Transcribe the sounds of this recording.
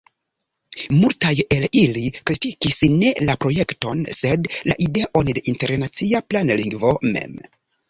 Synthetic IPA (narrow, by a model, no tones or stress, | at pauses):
multaje̞lilikɾitikisne̞lapɾo̞je̞kto̞̰nse̞dla̰ʔide̞ʔo̞nde̞ʔinte̞ɾnat͡siaplanliŋɡvo̞mḛm